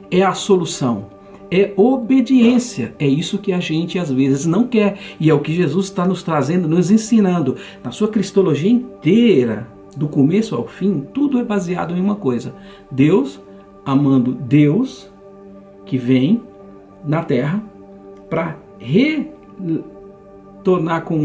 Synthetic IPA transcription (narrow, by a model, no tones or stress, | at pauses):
ɛɐsolusɐ̃w̃ | ɛobed͡ʒiẽsiɐɛisʊkɪaʒẽnt͡ʃɪazvezɪznɐ̃w̃kɛɾɪɛʊkɪʒezuzɪt̪anʊst̪ɾazẽnd̪ʊnʊzẽsĩnɐ̃nd̪ʊnɐsuɐkɾist̪oloʒiɐĩt̪eɾɐ̰ | d̪ʊkomesʊa̰wfĩt̪ud̪ʊɛbazia̰d̪ʊẽj̃ũmɐkojzɐ | d̪ews | amɐ̃nd̪ʊd̪ews | kɪvẽj̃ | nɐt̪ɛɦɐ | pɾɐ | he | t̪oɾnaɾkõ